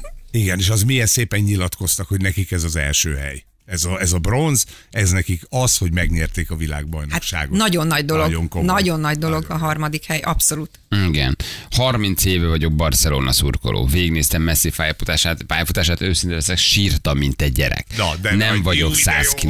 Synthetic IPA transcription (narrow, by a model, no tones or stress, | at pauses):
iɡɛneːʃɒzmijɛnseːpɛɲːilɒt̪ko̞st̪ɒkhoɟnɛkikɛzɒzɛ̰lʃøːɦɛ̰j | ɛzɒɛzɒbro̞nz | ɛznɛkikɒsho̞ɟmɛɡɲɛrt̪eːkɒvila̰ːɡ̚bɒjnoakʃa̰ːɡonɒɟo̞nːɒɟd̪o̞loɡoŋkonɒɟo̞nːɒɟd̪o̞lo̞ɡɒɦɒrmɒd̪ikhɛjʔɒpso̞lut̪iɡɛ̰nhɒrmint̪seːvɛvɒɟo̞ɡ̚bɒrsɛlo̰ːnɒ̰sṵrko̞̰lʔo̰ːveːɡneːst̪ɛmːɛsːifaːjfut̪aːʃaːt̪aːjɒfut̪aːʃaːt̪øːsint̪ɛɛsɛkʃirt̪ɒmːint̪ɛɟ̚ːɛ̰ɾɛ̰knd̪nɛɱvɒɟo̞kssa̰ːski